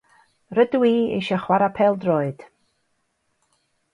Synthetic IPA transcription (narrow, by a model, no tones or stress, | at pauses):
rədwiːḭʃəχwaɾapʰɛlˠdroːɨd̥